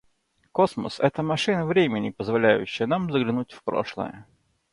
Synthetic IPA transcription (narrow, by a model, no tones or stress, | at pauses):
kosmə̰sɛt̪əmɐʂɨnəvɾʲemʲɪnʲɪpəzvɐlʲæjʉ̰ɕːɪjənamzəɡlʲɪnutʲfpɾo̰ʂlˠə̰jə